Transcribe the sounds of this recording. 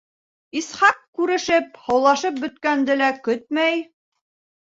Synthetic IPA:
isχɑqkːʉɾɘ̆ʃɘp̚hɑ̆wlˠɑʃɤp̚bɵ̆t̪̚kænd̪ɘlækɵt̪̚mæj

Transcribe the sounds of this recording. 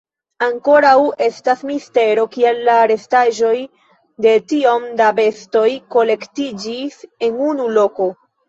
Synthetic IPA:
aŋko̞ɾawe̞stasmiste̞ɾo̞kie̞lːaɾe̞staʒo̞j | de̞tio̞mdabe̞sto̞jko̞le̞ktid͡ʒise̞nunulo̞ko̞

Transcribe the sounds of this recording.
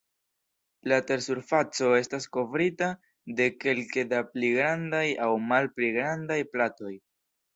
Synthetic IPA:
late̞ɾsuɾfat͡so̞e̞stasko̞vɾita | de̞ke̞lke̞dapliɡɾandajawmalpliɡɾandajplato̞j

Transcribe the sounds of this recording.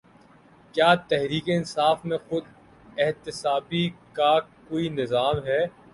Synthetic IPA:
kjaːt̪ɛɦɾiːkeɪnsaːfmẽxʊd̪̚ | ɪɦt̪ɪsaːbikakoːinɪzaːmɦɛː

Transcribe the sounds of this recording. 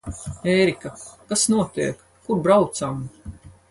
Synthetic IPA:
ɛjɾikakasnuɔt̪iɛkːuɾbɾawt̪sam

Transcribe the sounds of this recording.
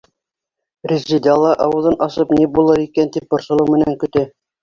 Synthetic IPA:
ɾʲizːid̪ɑlˠɑʔɑwɤ̆ðɤnʔɑsɤpnibulˠɤɾikænt̪ip̚bŏɾsɤ̆lˠɤwmɘ̆næŋkɵ̆t̪ɘ

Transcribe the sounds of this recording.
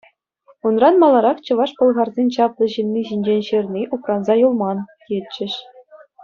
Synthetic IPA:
unrɑnmɑlˠɑɾɑχt͡ɕɤ̆ʋɑʂpɤ̆lˠʁɑrzʲenʲt͡ɕɑplˠɤ̆ʑɯnʲːiʑinʲd͡ʑenʲɕɯrʲnʲiʔuprɑnzɑjulˠmɑnkʲelʲt͡ɕːɘ̆ɕ

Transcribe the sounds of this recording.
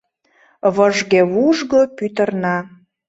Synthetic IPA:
βəʒɣeβuʒɣopyt̪ərnɑ

